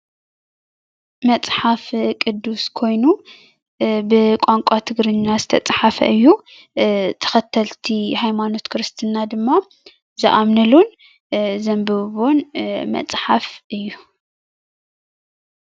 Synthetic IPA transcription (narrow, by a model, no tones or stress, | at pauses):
mɐt͡sʼħafkʼɨd̪ːuskʰo̞jnu | bɨkʷʼaŋkʷʼat̪ʰɨɡɾɨɲːazɨt̪ʰɐt͡sʼħafɐ̰ʔɨjːu | t̪ʰɐ̥xɐt̪ʰːɐlt̪ʰihajmano̞t̪kʰɨɾɨst̪ʰɨnad̪ɨmːa | zɨʔamnɨlun | zɐmbɐβonmɐ̰t͡sʼħafʔɨjːu